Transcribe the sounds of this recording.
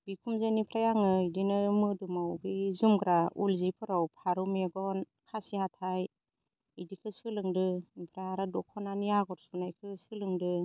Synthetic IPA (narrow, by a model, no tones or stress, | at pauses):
b̥ikʰumzɯnipʰɾajaŋɯidinɯmɯdumawbizumɡɾaulzipʰɯɾawpʰaɾumeɡɔn | kʰasihatʰaj | idikʰɯsɯlɯŋdɯnipʰɾaaɾadɔkʰɔnanijaɡɔɾsunajkʰɯsɯlɯŋdɯ